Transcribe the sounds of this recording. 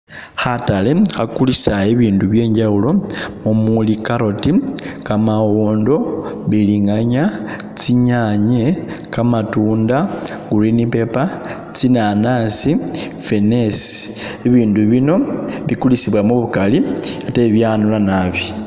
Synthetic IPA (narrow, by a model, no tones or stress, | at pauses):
xatalexakulisaeβiːnduβje̞ːɲɟawulo̞mumulikaɾo̞tikamawoːndo̞βiliŋɡaɲa | t͡siɲaɲe | kamatuːnda | ɡ̥uɾinipe̞pa | t͡sinanasi | fe̞nesi̥ | eβiːnduβino̞βikulisiβwamuβukaliateβjanulanaβi